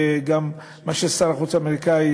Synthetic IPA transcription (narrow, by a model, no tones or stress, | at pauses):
ɡamː | aʃesaɾaχut͡sameʁikai